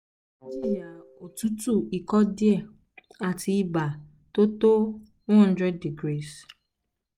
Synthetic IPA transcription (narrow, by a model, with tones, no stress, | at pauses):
ɔ˦ti˦˨ja˨o˨tu˦tu˦˨i˨kɔ˦di˦ɛ˦˨ | a˨tʰi˧i˦ba˨ | to˦to˦ | w̃ɦɔ̃˦n˦dɾɛ˦dːi˨ɡɾi˦˨s